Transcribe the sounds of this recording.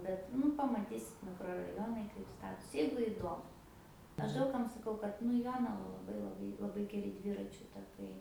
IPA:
ˈbʲɛt ˈnʊ pɐmɐˈtʲiːsʲɪt mʲɪkroːrɐˈjoːnɐɪ kɐɪp ˈstɑːtoːs ˈjɛɪɡʊ ɪˈdoːmʊ ˈɐʃ ˈdɐʊk kɐm sɐˈkɐʊ kɐt nʊ ɪ ˈjoːnɐʋɐ lˠɐˈbɐɪ lˠɐˈbɐɪ lˠɐˈbɐɪ ɡʲɛˈrʲɪ ˈdʲʋʲɪrɐt͡ʃʲʊ tɐˈkɐɪ

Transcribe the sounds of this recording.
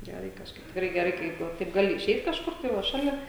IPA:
ˈɡʲæːrɐɪ kɐʃˈkɐɪp tʲɪkˈrɐɪ ˈɡʲæːrɐɪ ˈkɐɪp ʋɐ ˈtɐɪp ˈɡɑːlʲɪ ɪˈʃʲɛɪt kɐʃˈkʊr tɐɪ ˈʋɐ ˈʃɑːlʲɛ

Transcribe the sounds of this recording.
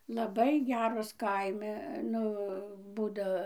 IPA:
lˠɐˈbɐɪ ˈɡʲæːroːs ˈkɐɪmʲɪ ˈnʊ ˈbuːdoː

